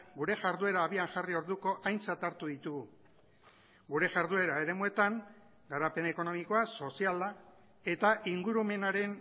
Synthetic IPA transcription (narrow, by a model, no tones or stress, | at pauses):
ɡuɾe̞ʝaɾðue̞ɾaːβiaŋʝario̞ɾðuko̞ʔajnt͡sat̪aɾt̪uðit̪uɣu | ɡuɾe̞ʝaɾðue̞ɾae̞ɾe̞mue̞t̪aŋ | ɡaɾape̞ne̞ko̞no̞miko̞aso̞siala | e̞t̪aʔiŋɡuɾume̞naɾe̞n